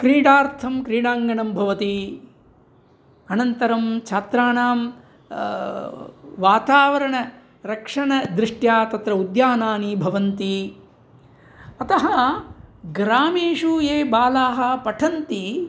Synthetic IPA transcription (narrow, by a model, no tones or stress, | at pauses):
kɾiːɖaːɾt̪ʰɐmkɾiːɽaːŋɡɐɳɐmbʱɐʋɐt̪i | ɐnɐnt̪ɐɾɐmt͡ʃʰaːt̪ɾaːnaːm | ʋaːt̪aːʋɐɾɐɳɐ | ɾɐkʂɐɳɐd̪ɾiʂʈjaːt̪ɐt̪ɾɐud̪jaːnaːnibʱɐʋɐnt̪i | ɐt̪ɐɦɐ | ɡɾaːmeːʂujeːbaːlaːɦɐpɐʈʰɐnt̪i